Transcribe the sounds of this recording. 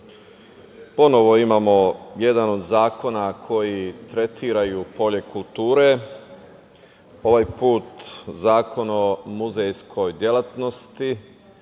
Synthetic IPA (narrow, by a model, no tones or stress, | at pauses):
po̞no̞ʋo̞imamo̞je̞d̪ano̞d̪zaːko̞nakʰo̞jit̪ɾe̞t̪ʰiːɾajupo̞ʎe̞kult̪uːɾe̞ | o̞ʋajpuːt̪zaːko̞nomuzejskʰo̞jd̪je̞lat̪no̞st̪i